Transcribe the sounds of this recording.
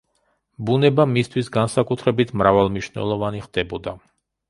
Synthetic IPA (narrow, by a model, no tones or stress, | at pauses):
bunɛbamist̪ʰwisɡansakʼut̪ʰɾɛbit̪ʰmɾavalˠmniʃnɛ̰lˠɔvaniχd̪̥ɛbɔd̪a